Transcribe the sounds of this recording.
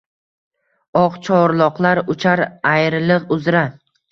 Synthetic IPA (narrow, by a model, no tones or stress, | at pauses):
ɒqt͡ʃʰɒɾlˠɒqlˠaɾʊt͡ʃʰaɾajɾlɨqʊzɾa